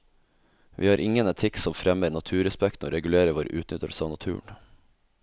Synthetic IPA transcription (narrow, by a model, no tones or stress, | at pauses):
ʋʔḭːhɑːɾʔɪŋənɛt̪ʰɪksɔmfɾɛmənɑt̪ʰʉːɾɛspɛkt̪no̰ːɾɛɡʉleːɾəʋoːɾ̰ʔʉːt̪nʏt̪əɭsɑːʋnɑt̪ʰʉ̰ːɳ